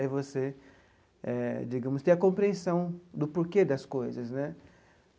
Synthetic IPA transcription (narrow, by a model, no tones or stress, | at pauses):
ɛvose | ɛ̰d͡ʒiɡɐ̃mʊst̪ẽɐkõpɾiẽsɐ̃w̃d̪ʊpoɾked̪ɐskojzɐsnɛ